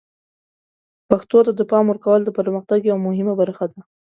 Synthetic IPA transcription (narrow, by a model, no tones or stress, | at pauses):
paxt̪ot̪ad̪əpɑmwəɾkawəld̪əpəɾməxt̪aɡjawmʊhɪmabaɾaxad̪a